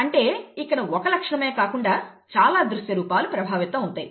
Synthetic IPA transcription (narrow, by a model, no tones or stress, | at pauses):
ɐɳʈe̞ːikːɐɽɐɔkɐlɐkʂɐɳɐme̞ːkaːkuɳɖaːt͡ʃaːlaːd̪ɾuʃjɐɾuːpaːlupɾɐbʱaːʋit̪ɐmunt̪ɐji